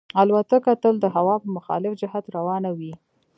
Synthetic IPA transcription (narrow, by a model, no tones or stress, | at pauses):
alwat̪akat̪əld̪əɦawɑpəmʊxɑ̰lɪfd͡ʒɪɦat̪ɾawɑnawi